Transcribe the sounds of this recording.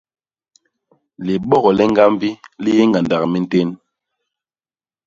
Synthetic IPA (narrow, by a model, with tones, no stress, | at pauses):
li˨ɓɔ˦ɣɔ˨lɛ˦ŋɡa˦m˦bi˦li˦je˦ŋɡa˨nda˨kmi˦n̩˦te˦n